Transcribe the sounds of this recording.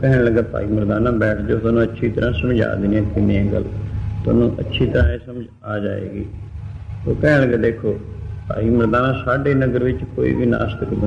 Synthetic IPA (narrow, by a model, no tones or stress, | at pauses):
kɛɦnləɡːaːpa̰ːiːməɾd̪aːnãːbɛːʈʰd͡ʒoːt̪anũːətːʃʰiːt̪əɾãːsəmd͡ʒa̰ːd̪ɪniɛ̃ːkɪnẽɛ̃ːɡə̰lt̪ʊə̰ːnũːʔə̰tːʃʰiːt̪əɾãːeːsəmd͡ʒ | aːd͡ʒa̰ːḛːɡḭː | o̰ːkɛːnːləɡaːd̪eːkʰoːpa̰ːiːməɾd̪aːnãːsaːɖeːnəɡəɾʋɪt͡ʃkoːḭːʋiːna̰ːst̪əkbə